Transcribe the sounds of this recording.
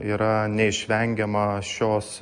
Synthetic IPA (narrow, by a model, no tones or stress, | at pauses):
iːɾɐnʲɛɪʃʲʋʲɛŋʲɡʲɛmɐʃʲoːs